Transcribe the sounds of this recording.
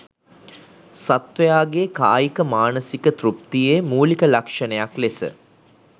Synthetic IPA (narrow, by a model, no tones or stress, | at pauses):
sat̪ʋəjaːɡeːka̰ːjikəmaːnəsikət̪ɾup̚t̪ijemuːlikəlakʂənəjaklesə̰